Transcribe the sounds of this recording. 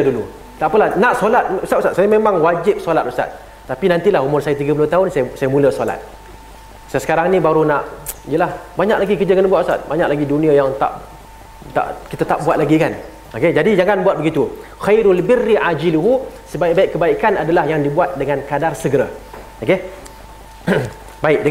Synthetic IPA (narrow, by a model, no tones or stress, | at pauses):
dulu | t̪aʔpəlahnaʔsolat̪̚usat̪usat̪sajamemaŋwad͡ʒɪp̚solat̪̚usa̰t̪̚ː | apinant̪ilaɦumʊrsajat̪iɡəpulʊht̪aʊnsajsajamũləsola̰t̪̚ | sajasəkaɾaŋnĩbaɾunaʔijəlahbaɲakʔlaɡikərd͡ʒəkənbuat̪ʔusa̰t̪̚baɲakʔlaɡidunĩajaŋt̪a̰ʔ | t̪a̰ʔkit̪at̪aʔbuat̪̚laɡikan | oked͡ʒadid͡ʒaŋanbuat̪̚bəɡit̪uxajɾalbɪrːiʔad͡ʒiluɦusəbaiʔbaɪʔkːəbaikanadalahjaŋdibuat̪̚dəŋankadarsəɡəɾa | ʔoke | baɪʔ̚də